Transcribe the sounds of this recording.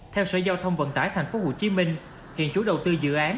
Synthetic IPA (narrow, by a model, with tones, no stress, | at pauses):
t̪ʰɛ˧wsə̰ː˧˩zaː˧wt̪ʰə˧wŋ͡mvə̰˧˨nt̪aː˧˩jt̪ʰa˨˩jŋ̟fo˨˦ho˧˩t͡ɕi˨˦mï˧ŋ̟ | hḭ˧˨ənt͡ɕu˨˦˥ɗə˨˩wt̪ɨ˧zɨ̰˧˨ʔaː˨˦n